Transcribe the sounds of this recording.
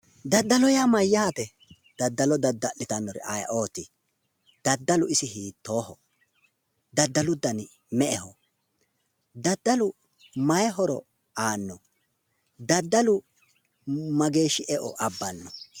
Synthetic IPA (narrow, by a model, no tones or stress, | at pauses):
d̪ɐd̪ːɐlɔjamɐjːɐhɐt̪ɛ | d̪̥ɐd̪ːɐlɔd̪ɐd̪ːɐlɪt̪ɐnːɔɾɛ̰ʔa̰jɐ̰ʔo̞ːt̪ɪ | d̪̥ɐd̪ːɐlʊɪsɪhiːt̪ːo̞ːhɔ | d̪ɐd̪ːɐlʊd̪ɐn | mɛʔɛhɔ | d̪ɐd̪ːɐlʊ | mɐjɛɦɔɾɔ̰ | aːnːɔ | d̪ɐd̪ːɐlʊ | mɐɡe̞ːʃɪʔɛʔɔ̰ʔɐbːɐnːɔ